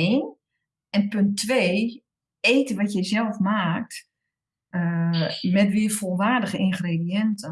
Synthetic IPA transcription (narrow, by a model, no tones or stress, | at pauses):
eːn | ɛnpøntʰːʋeː | eːtəʋɔtjɛsjɛlˠfmaːk̚t | əmɛtʋiəfolˠʋaːrdəɣəinχreːdiɛntə